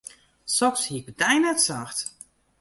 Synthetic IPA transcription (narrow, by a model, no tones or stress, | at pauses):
sɔkshiək̚ədɛjnɛtsaxt